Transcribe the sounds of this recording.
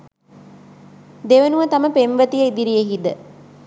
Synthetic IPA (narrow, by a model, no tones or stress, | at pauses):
d̪eʋənuʋət̪ɐməpemʋət̪ijəid̪iɾijeɦid̪ə